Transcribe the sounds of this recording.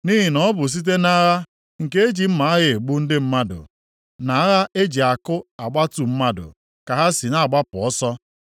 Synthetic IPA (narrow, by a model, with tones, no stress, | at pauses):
ni˦ɦi˨nɔ˦ɔ˦bʊ˨s̬i˦t̬e˦na˦ɣa˦ | ŋ̩˨ke˦e˦d͡ʒi˨m̩˦ma˨˦a˦ɣɪ˨e˨ɡ͡bu˦n̩˦dɪ˦m̩˦ma˦dʊ̰˨ | na˨a˦ɣa˦ʔe˦d͡ʒi˨a˨kʊ˦a˨ɡ͡ba˦tu˨m̩˦ma˦dʊ̰˨ | ka˨ɦa˦si˨na˦˨ɡ͡ba˦pʊ˨ɔ˦sɔ˦